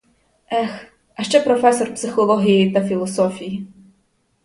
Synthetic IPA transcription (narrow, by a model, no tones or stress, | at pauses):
ɛx | ɐʃt͡ʃɛpɾɔfɛsɔrpsɪxɔlˠɔɦʲijejit̪ɐfʲilˠɔsɔfʲiji